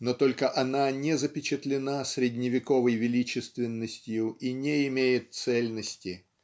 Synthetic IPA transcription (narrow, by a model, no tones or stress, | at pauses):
not̪o̞lʲkəʔɐnanʲɪzəpʲɪt͡ɕɪt̪lʲɪnasʲɾʲɪdʲnʲɪvʲɪko̞vəjvʲɪlʲit͡ɕɪst̪vʲɪnːəsʲtʲɪjʊʔinʲeɪmʲejɪt̪̚t̪sɛlʲnəsʲtʲɪ